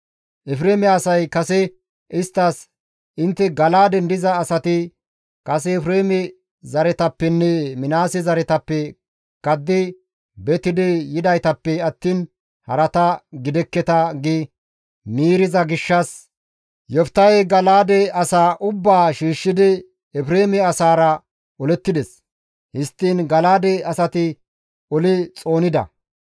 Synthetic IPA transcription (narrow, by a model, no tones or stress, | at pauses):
ʔɛfɾeːmɛɐsɐjkɐsɛ | ʔɪst̪ːɐs | ʔɪnt̪ːɛɡɐlaːd̪ɛnd̪ɪzɐːsɐt̪ɪ | kɐs̬ɛɛfɾeːmɛ | zɐɾɛt̪ɐpːɛnːɛmɪnaːsɛzɐɾɛt̪ɐpːɛ | kɐd̪ːɪ | bɛt̪ɪd̪ɪjɪd̪ɐjt̪ɐpːɛɐt̪ːiːn | hɐɾɐt̪ɐɡɪd̪ɛkːɛt̪ɐɡɪ | miːɾɪzɐɡɪʃːɐs | jɔft̪ɐjɡɐlaːd̪ɛɐsaːʔʊbːaːʃiːʃːɪd̪ɪ | ɛfɾeːmɛɐsaːɾɐ | ɔlɛt̪ːɪd̪ɛs | hɪst̪ːiːnɡɐlaːd̪ɛɐsɐt̪ɪ | ɔlɪt͡sʼo̞ːnɪd̪ɐ̰